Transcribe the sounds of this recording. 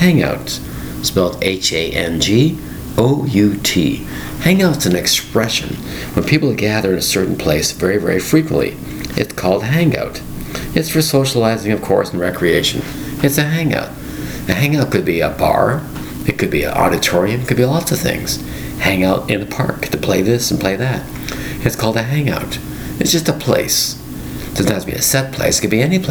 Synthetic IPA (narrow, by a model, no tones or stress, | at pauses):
hæ̃ŋa̰ʊt | sb̥ɛlˠteɪt͡ʃeɪʔɛ̃nd͡ʒi | oʊjʉtʰḭ | hæ̃ŋaʊtsɨ̃n̩ɨkspɹɛʃɨ̰̃n | wə̃npʰipl̩ˠɡæðə˞ɨ̃nɨsɜ˞ʔn̩pʰl̥eɪsvɛɹivɛ̰ɹifɹikwə̰̃nʔlḭ | ʔɨ̰tskʰɔlˠd̚ɦæ̃ŋa̰ʊɾ | ɨtsfə˞soʊʃəlaɪzɪ̃ŋʌv̥kʰɔ̰ɹsn̩ɹɛkʰɹieɪʃɨ̃n | ɨtsɨɦæ̃ŋa̰ʊɾ̚ | ɨɦæ̃ŋaʊt̚kɨd̚biɨ̰bɑ̰ɹ | ɨt̚kʰɨd̚biɨ̰ʔɔ̰ɾɨtʰɔɹiɨ̃mkɨd̚biəlɔtsʌv̥θɪ̰̃ŋz̥ | hæ̃ŋaʊɾɨ̃nðəpʰɑ̰ɹktʰɨpʰl̥eɪðɪsn̩pʰl̥eɪðɨt̚ | ɨtskʰɔlˠdtʰɨɦæ̃ŋa̰ʊɾ | ɨtsd̥ʒ̥ʌstəpʰl̥ḛɪs | d̥ʌznzbḭɨ̰sɛt̚pʰl̥ḛɪskɨd̚biɛnipʰ